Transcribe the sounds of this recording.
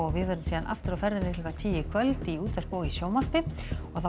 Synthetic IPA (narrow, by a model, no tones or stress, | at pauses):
ɔɣvɪðvɛɾɪnsiːðanʔa̰ft̪ɪɾafɛɾðɪnɪhlʏkat̪ʰiːjɪkʰvœlt̪iuːt̪ar̥pɔːɣisjoːwmar̥pɪ | ɔɣθa